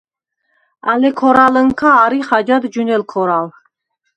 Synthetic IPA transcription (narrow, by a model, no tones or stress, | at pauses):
alɛkʰɔɾaləŋkʰaːɾiχad͡ʒad̪d͡ʒunɛlkʰɔɾal